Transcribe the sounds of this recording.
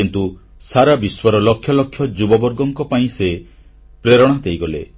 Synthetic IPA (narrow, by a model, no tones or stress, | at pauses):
int̪u | saɾabiswɔɾɔlɔkʰjɔlɔkʰjɔd͡ʒubɔbɔɾɡɔŋkɔpaĩse | pɾeɾɔɽ̃ad̪ʱejɡɔle